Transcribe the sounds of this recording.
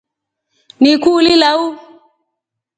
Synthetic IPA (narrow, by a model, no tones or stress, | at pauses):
nikulilau